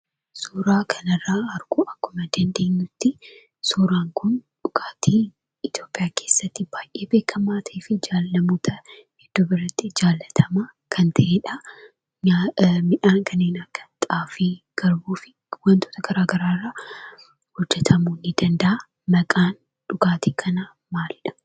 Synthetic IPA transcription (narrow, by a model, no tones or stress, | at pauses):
suːɾaːkʰɐnɐrːaːɐɾɡuʔɐkːʊmɐd̪ɐnd̪e̞ːɲːʊt̪ːɪ | suːɾaːŋkʊnᶑʊkʼaːt̪ʰiː | ɪt̪jo̞ːpʼɪjaːkʰe̞ːsːɐt̪ːɪb̥aːjʔe̞ːbe̞ːkʰːɐmaːt̪ʰɐeːfɪd͡ʒaːlːɐmoːt̪ʰɐ | hɛd̪̥ːʊbɪrːɐt̪ːɪd͡ʒaːlːɐt̪ʰɐmaː | kʰɐnt̪ʰɐʔeːᶑɐ | ɲamɪᶑaːŋkʰɐnːeːnɐkːɐ̥t̪ʼaːfeː | ɡ̥ɐɾbuːfɪ | wɐnt̪oːt̪ɐɡ̥ɐɾaːɡɐɾaːrːa | hɔd͡ʒːɛt̪ʰɐmunːɪd̪ɐnd̪ɐʔa | mɐkʼaːn | ᶑʊɡaːt̪iːkʰɐnɐ | maːlɪᶑɐ̥